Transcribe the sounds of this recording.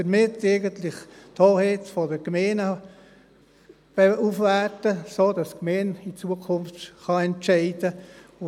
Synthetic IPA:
d̥əɾmɪtɛɪɡəntlɪχtʰhoːhɛtfɔdəɡmeːnə | b̥ɛufʋærtəsoːd̥ɑskmeːnit͡suəkʰʊnftχɑɛntt͡ʃɛɪd̥əʊ

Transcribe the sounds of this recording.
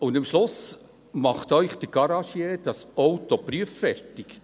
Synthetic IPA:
ʊndɪmʃlʊs | mɑχt̪œʏχd̥̪əɡ̥ɑɾɑʃjeːd̥ɑsɔwt̪ɔpɾyəfːɛrtik

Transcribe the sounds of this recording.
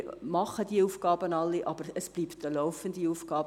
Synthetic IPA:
mɑχəd̥iufɡɑːbənɑlːiʔɑbəɾəsb̥liːptəlɔʊfəndiuːfɡ̥ɑːb

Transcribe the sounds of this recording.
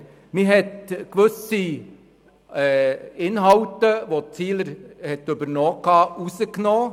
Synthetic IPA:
miɦɛtkʋɵsi | ɪnɦɑwtəʋot͡siːləɾhɛt̪ɵbəɾnoːkɑːusəknoː

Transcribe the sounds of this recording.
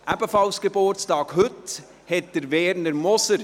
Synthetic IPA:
ʔæbəfɑlsɡ̥ebʊɾtstɑːkhɵt | hɛt̚d̥əɾvɛɾnəɾmɔsəɾ

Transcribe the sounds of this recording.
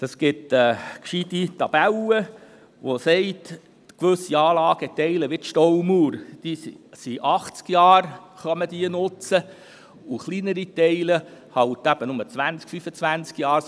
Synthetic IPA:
d̥ɑsɡɪtɛːkʃiditɑb̥ælə | ʋosɛɪt | kʋɵsiɑːlɑːɡ̥ət̪ɛɪləʋɪtʃtɔwmuːɾd̥issiʔɑχt͡skjɑːɾ | χœməd̥iənʊt͡sə | uχlinəɾitɛɪləhɑlt̪æb̥ənʊmət͡sʋænt͡skfyfət͡sʋænt͡skjɑːɾ

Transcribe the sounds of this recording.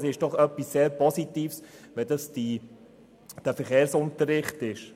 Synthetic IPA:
sɪʃd̥ɔχœpːisːeːɾpɔsitiːfs | ʋɛdɑsd̥i | d̥æfəɾχeːɾsʊntəɾɪχtɪʃ

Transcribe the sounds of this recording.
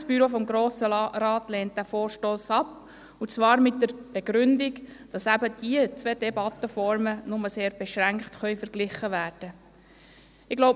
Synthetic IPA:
sb̥yɾofɔmɡɾoːsəɾɑːtleːnt̚d̥æfoːɾʃtoːsɑp | ut͡sʋɑːɾmɪt̚dəɾb̥eɡ̥ɾʏndɪɡd̥ɑsæbəd̥iət͡sʋed̥ebɑt̪ːəfɔɾmənʊməseːɾb̥eʃɾæŋkχtχœʏfəɾɡ̥lɪχəʋæːɾd̥ə | ɪɡ̥loʊ

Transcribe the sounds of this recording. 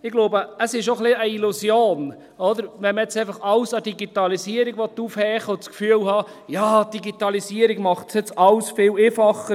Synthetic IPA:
ɪɡ̥loːbəəsɪʃoχliəilusjoːn | ɔd̪əɾʋɛnməɛt͡sɛɪfɑχɑlsɑdiɡit̪ɑlisiəɾiɡʋɔt̪ːufhɛːχɔskfyəlhɑː | jɑːd̥iɡit̪ɑlisiəɾiɡmɑχtsjɛt͡sɑlsfɪːlefɑχə

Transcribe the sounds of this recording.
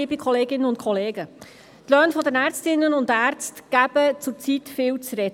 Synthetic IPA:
iːbikʰχɔleːɡɪnːənʊntkʰɔleːɡə | t̪lœːnfɔdənæːɾt͡stɪnːənʊndæːɾt͡stɡ̥æb̥ət͡sʊɾt͡sitfɪːlt͡sɾɛd

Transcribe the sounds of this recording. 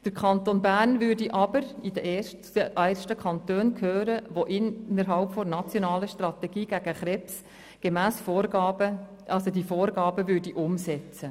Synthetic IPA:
d̪̥əɾkʰɑnt̪onbæːɾnvʏdiʔɑbəɾid̥̪əʔeː | ʔæʃtəkʰɑnt̪øːnkʰøːɾəʋoʔɪnːəɾɦɑlpfɔɾnɑt͡sjonɑːləʃtrɑt̪ɛɡ̥iːɡ̥æɡ̥əχɾɛps | ɡ̥emæːsfoːɾɡɑːbə | ʔɑlsodifoːɾɡɑːbəvʏɾdiʔʊmsɛt͡sə

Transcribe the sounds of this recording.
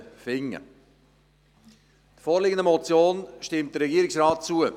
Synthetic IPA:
fɪŋːə̰ | d̥foːɾlɪɡəndəmot͡sjoːnʃtɪmtd̥əɾrɛɡiəɾɪksraːt̚t͡suə

